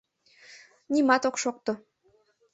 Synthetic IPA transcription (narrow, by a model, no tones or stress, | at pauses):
nimɑt̪oqʃoq̚t̪ŏ